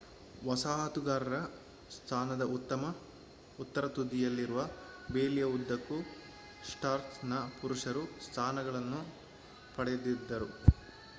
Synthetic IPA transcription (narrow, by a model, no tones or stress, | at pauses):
ʋɐsaːɦɐt̪uɡaːɾɐɾɐ | st̪ʰaːnɐd̪ɐʔut̪ːɐmɐ | ut̪ːɐɾɐt̪ud̪ːijɐlːiɾuʋɐbeːlijɐud̪ːɐkːu | sʈaːɾt̪nɐpuɾuʂɐɾust̪ʰaːnɐɡɐɭɐnːu | pɐɽɛjd̪id̪ːɐɾu